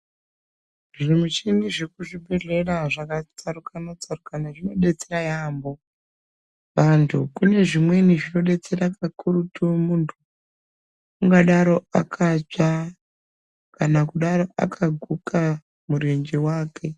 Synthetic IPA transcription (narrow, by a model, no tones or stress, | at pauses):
ʐimut͡ʃiniʐekuʐibʱere̞raʐakat͡sarukanat͡sarukanaʐino̞ɗe̞t͡seɾajaːmbo̞ | ʋantʰukune̞ʐimwe̞niʐino̞ɗe̞t͡se̞ɾakakuɾutumuntʰu | uŋɡaɗaɾo̞akʰat͡ʃa | kanakuɗaɾo̞ʔa̰kʰaɡʱuka | muɾend͡ʒewaːke̞